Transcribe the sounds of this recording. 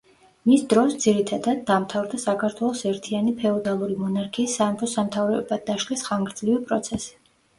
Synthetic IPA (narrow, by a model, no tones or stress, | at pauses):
misd̪ɾɔsd̪z̥iɾit̪ʰad̪ad̪̚ːamt̪ʰavɾd̪asakʰaɾt̪ʰwɛlˠɔsɛɾt̪ʰianipʰɛɔd̪alˠuɾimɔnaɾkʰiːsːaːmpʰɔsamt̪ʰavɾɛbad̪d̪ːaʃkɛsχaŋɡɾd̪zlivipʼɾɔt̪sʰɛsi̥